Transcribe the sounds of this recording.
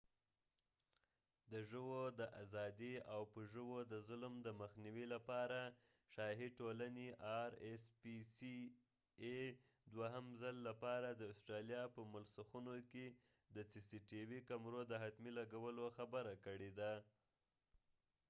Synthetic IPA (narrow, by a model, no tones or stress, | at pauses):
d̪əʒəwod̪əʔazɑd̪iawpəʒəwod̪əzʊlmd̪əməxniwilapɑɾa | ʃɑɦiʈolaneʔɑɾespisi | e | d̪waɦəmzəlːapɑɾad̪əʊsʈɾalijɑpəmʊlsuxunoke | d̪əsisiʈiwikamɾod̪əɦat̪milaɡawəloxabəɾakəɽed̪a